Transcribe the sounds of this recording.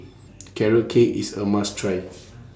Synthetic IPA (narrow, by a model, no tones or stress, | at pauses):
kʰɛɹəkʰeʔḭsəmãstʰɹaj